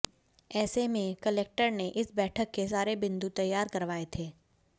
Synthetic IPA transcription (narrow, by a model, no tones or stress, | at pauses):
ɛːsemẽkɐleːk̚ʈəɾneʔɪsbɛːʈʰəkːes̬aːɾebɪ̃nd̪ut̪ɐjːaːɾkɐɾʋaːet̪ʰeː